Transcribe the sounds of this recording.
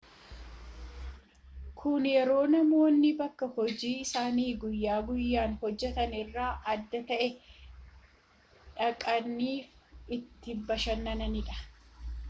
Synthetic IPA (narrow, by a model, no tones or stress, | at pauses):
kʰʊnjɛɾo̞ːnɐmo̞ːnːɪbɐkːɐhɔd͡ʒiːɪsaːniːɡʊjːaːɡʊjːaːnhɔd͡ʒːɛt̪ɐnɪrːaːʔɐd̪ːɐt̪ɐʔɛ | ᶑɐkʼɐnːiːfɪt̪ːɪbɐʃɐnːɐnɐnɪᶑɐ̥